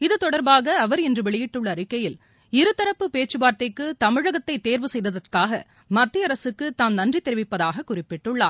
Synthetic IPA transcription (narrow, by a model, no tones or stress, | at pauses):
ɪðɯt̪ɔɽɐɾbaːɣɐːʋɐɾɛndrɯʋɛɭɪjɪʈːɯɭːɐːɾɪkːɐjɪl | ɪɾɯt̪ːɐɾɐpːɯpeːt͡ʃːɯbaːɾt̪ɐɪkːɯt̪ɐmɪɻɐɣɐt̪ːɐɪt̪ːeːɾʋɯsɛjðɐðɐrkaːɣɐ̰ | mɐt̪ːɪɐɾɐsɯkːɯt̪aːmnɐndrit̪ːɛɾɪʋɪpːɐðaːɣɐkːʊrɪpːɪʈːɯɭːaː